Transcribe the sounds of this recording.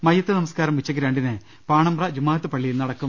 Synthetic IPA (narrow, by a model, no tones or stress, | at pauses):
mɐjːɐt̪ːɨnɐmɐskaːɾɐmʋit͡ɕːɐkːiɾeːɳɖinɨ | paːɳɐmrɐd͡ʑumːaːɦɐt̪ːɨpɐɭːijnɐɽɐkːum